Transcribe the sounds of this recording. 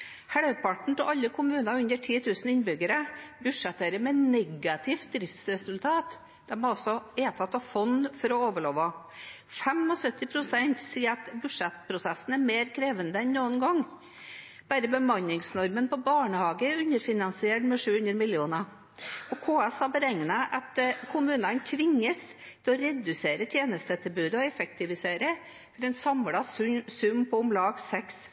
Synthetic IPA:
hæɽpʰɑʈɳ̩t̪ɪɑlːəkʰʊmʉːnɑʉnd̪əʈʰiːt̪ʰʉːsn̩ɪnbʏɡəɾəbʉʂɛt̪ːæɾəmɛnɛɡɑt̪ʰɪft̪̚d̪ɾɪft̪sɾɛsʉlt̪ʰɑːt̪ | d̪̥ɛmhɑɾɔsɔeːt̪ʰɑt̪ːɑʋfɔnfɔɾɔoːʋəɭoːʋɑ | fɛmɔsœt̪ːɪpʰɾʊsɛnt̪siːəɑt̪bʉ̥ʂɛt̪pʰɾʊsɛsn̩æɾmeːɾkʰɾeːʋənd̪əɛnnuːənɡɔŋ | b̥æːɾəbəmɑnːɪŋsnɔɾmənpɔbɑːɳəhɑːɡəɛɾʉnəɾfɪnɑnsɪeʈmɛʂʉːhʉnd̪ɾəmɪljuːnɑ | ɔkʰoːɛsɑːbəɾɛŋːnəʔɑt̪kʰʊmʉːnɑnt̪ʰʋɪŋːəst̪ʰɪlɔɾɛd̪ʉseːɾət̪ʰjeːnəst̪ət̪ʰɪlbʉːd̪əɔɛfək̚t̪ɪʋɪseːɾə | fɔɾɛɪnsɑmlɑsʉmːpʰɔʊmlɑːɡsɛks

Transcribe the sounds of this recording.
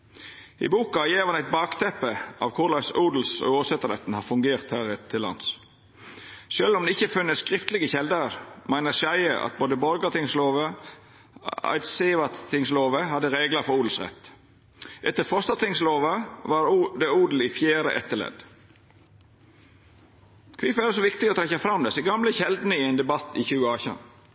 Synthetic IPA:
ɪ̰buːkɑjeːʋhɑnæɪt̪̚bɑːkt̪ʰɛpəʔɑ̰ːʋkʰʊʁlɑɪsuːd̪l̩sɔ̰oːʋsɛt̪əɾɛt̪n̩hɑfʉŋɡeːʁt̪hæːʁɛt̪ʰːɪlɑ̰ns | ʃølɔmd̪ɛɪçəfʉnːəsskʁɪft̪lɪɡəçɛld̪əɾmæɪnəʃæɪəʔɑ̰t̪̚boːd̪əbɔɾɡət̪ʰɪŋsloːʋə | ɑ̰ɪt̪seʋɑtt̪ʰɪŋsloːʋəhɑd̪ːəɾeːɡləfɔɾuːd̪l̩sʁɛ̰t̪ː | ʔɛt̪ːəfɔst̪ɑt̪ɪŋsloːʋəʋɑɾd̪ɛuːd̪l̩ɪfjæːɾə̰ʔɛt̪ːəlɛ̰d̪ | kʰʋɪfæːdəsɔʋɪkt̪ɪɔt̪ʰɾɛçɑfɾɑmd̪ɛsɛɡɑmləçɛld̪nəɪɛɪnd̪ɛbɑt̪ːɪçʉːəɑːçɑ̰n

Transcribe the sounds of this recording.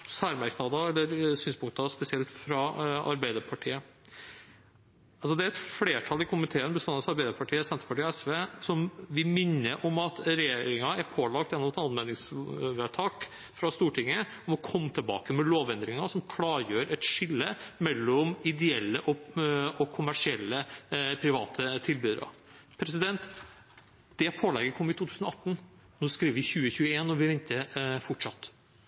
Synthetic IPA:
sæːɾmæɾknɑd̪ɑɛlːəɾsyːnspʊŋkt̪ɑspɛsɪɛlt̪fɾɑʔɑ̰ɾbæɪd̪əɾpʰɑʈʰiːə | ɑlsɔd̪ɛæɾɛt̪fleːʈʰɑlɪkʰʊmɪt̪ʰeːənbəst̪ɑnɑsɑɾbæɪd̪əɾpʰɑʈʰiːəsɛnt̪ɾəpɑʈiːɔɛsʋeːsɔmʋɪmɪnːəɾʔɔmɑt̪ɾɛjeːɾɪŋɑæɾpʰoːlɑkt̪jɛnːɔmɛt̪ɑnmeːd̪nɪŋsʋɛt̪ʰɑːk | fɾɑst̪uːʈʰɪŋːə | ɔmɔkʰɔmːt̪ʰəlbɑ̰ːkəmɛloːʋɛnd̪ɾɪŋɑsɔmkʰlɑːɾjøːɾɛt̪ʂɪlːəmɛlːɔmɪd̪ɛɛlːəʔɔɔkʰʊmæʂɪɛlːəpʰɾɪʋɑːt̪ʰət̪ʰɪlbyːd̪ə̰ɾɑ̰ | pʰɾɛsɪd̪ɛnt̪ | d̪̥ɛpʰoːlɛɡəɾkʰɔmːɪt̪ʰuːt̪ʰʉːsənɔɑt̪ːn̩ | nuːskɾiːʋəʋɪçʉːəçʉːəeːnɔʋɪʋɛnt̪əfɔʈʂɑt̪ː

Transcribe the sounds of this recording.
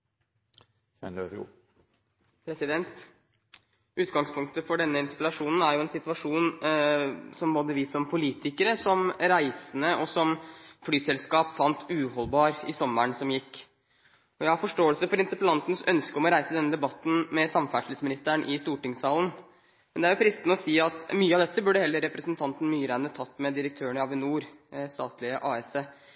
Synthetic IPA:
pʰɾɛsɪd̪ɛnt̪ | ʉːt̪ɡɑŋspʰʊŋk̚t̪əfɔɖɛnːəɪnt̪əɾpəlɑʂuːnn̩æɾjʊɛnsɪt̪ʋɑʂuːn | sɔmboːd̪əʋɪsɔmpʰʊliːt̪ɪkəɾəsɔmɾæɪsənəʔɔsɔmflyːsɛlskɑːpfɑnt̪ʉɦɔlbɑːɾɪsɔmːəɳsɔmjɪkː | ɔjæɪhɑɾfɔʂʈoːəlsəfɔɾɪnt̪əɾpəlɑnt̪nsœnskəɔmɔɾæɪsəd̪ɛnːəd̪ɛbɑt̪ːn̩mɛsɑmfæʂl̩əsmɪnɪst̪æɳʔɪst̪uːʈɪŋsɑːlən | mɛnd̪ɛæɾjʊpʰɾɪst̪nəɔsiːɑt̪myːəɑʋd̪ɛt̪ːəbʉɖəhɛlːəɾːɛpɾəsnt̪ʰɑnt̪n̩myːəɾæɪənət̪ʰɑt̪ːmɛd̪ɪɾək̚t̪ʰøːəɳɪɑʋɪnuːɾst̪ɑːt̪lɪəʔɑːɛseː

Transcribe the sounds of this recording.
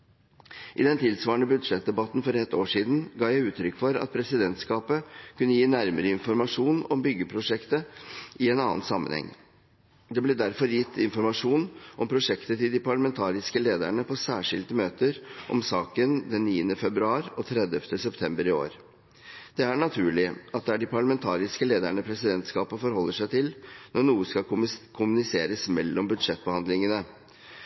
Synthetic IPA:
ʔɪd̪ɛnt̪ʰɪlsʋɑːɳəbʉd̪ʂɛt̪̚d̪ɛbɑt̪ːn̩fɔɾɛt̪ːoːʂiːd̪n̩ɡɑːjæɪʉːt̪ʰɾʏkːfɔɾɑ̰t̪̚pʰɾɛsɪd̪ɛnt̪skɑːpəkʰʉnːəjiːnæɾməɾəɪnfɔɾmɑʂuːnɔmbʏɡːəpʰɾʊʂɛkt̪əʔɪɛnɑ̰ːnsɑmːə̰nhɛ̰ŋː | d̪ɛblɛd̪æɾfɔɾjɪt̪ʰːɪnfɔɾmɑʂuːnʔɔmpʰɾʊʂɛkt̪ət̪ɪld̪ɪpʰɑɭəmɛnt̪ʰɑːɾɪskəleːd̪æ̰ɳəpʰɔsæːʂɪ̰lt̪əmøːt̪əɾʔɔ̰msɑːkənd̪ɛnːiːənəfɛbɾʉɑːɾɔt̪ʰɾɛd̪əft̪əsɛpt̪ʰɛmbəɾɪo̰ːɾ | d̪̥ɛæɳɑt̪ʰʉːɭɪʔɑt̪̚d̪ɛæɖɪpʰɑɭəmɛnt̪ʰɑːɾɪskəleːd̪æɳəpʰɾɛsɪd̪ɛnt̪skɑːpəfɔɾhɔlːəʂæɪt̪ʰɪlnʔɔɳuːəskɑkʰʊmʉnɪseːɾəsmɛlːɔmbʉd̪ʂɛt̪̚ːbəhɑnd̪lɪŋənə

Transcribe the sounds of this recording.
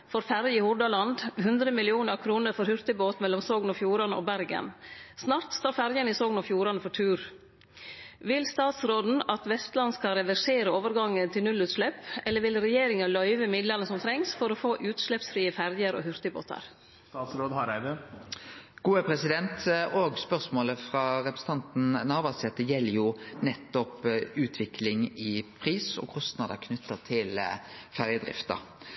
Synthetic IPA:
foːɾfæɾjihʊɖɑlɑnd̪hʉnd̪ɾəmɪlɪuːnəɾkʰɾuːnəɾfɔɾhʉɾt̪əboːt̪mɛlːɔmsoːɡnɔfjuːɾɑnəo̰ːbæɾɡə̰nsnɑːɾt̪st̪oːɾfæɾjəniːsoːɡnɔfjuːɾɑnəfɔʈʰʉːɾ | ʋɪlst̪ɑːt̪sɾoːd̪n̩ɑt̪ʋɛst̪lɑnskɑɾɛʋæʂeːɾəoːʋəɾɡɑŋːənt̪ʰɪlnʉlʉːt̪ʂlɛpɛlːəɾʋɪlɾɛjeːɾɪŋɑlœʏʋəmɪd̪lənəsɔmt̪ʰɾɛŋsfɔɾoːfoːʔʉːt̪ʃɭɛpsfɾiːəfæɾjəɾo̰ːhʏɾt̪əbo̰ːt̪ʰɑ̰ɾ | st̪ɑːt̪sɾoːd̪hɑɾæɪʋə | ɡ̥uːəpʰʁɛsɪd̪ɛnt̪oːɡspœʁsmoːləfʁɑɾɛpɾəsn̩t̪ʰɑnt̪n̩nɑːʋɑsɛt̪ːəjɛlːəjʊnɛt̪ːɔpʉːt̪ʰʋɪkʰlɪŋɪpʰʁiːsɔ̰kʰɔst̪nɑːd̪əkʰnʏt̪ːəʁt̪ʰɪl | fæʁjəd̪ʁɪ̰ft̪ə̰

